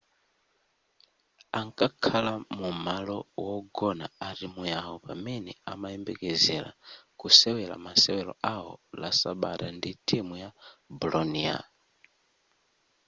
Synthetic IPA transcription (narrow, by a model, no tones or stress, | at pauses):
aŋkʼakʰalamumalɔwɔɡɔnaaɾimujaɔpamɛnɛamaɛmbɛkɛzɛɾa̰kusɛwɛɾa̰masɛwɛlɔawɔ̰lasaɓa̰tanditʰʼimujabulɔnia̰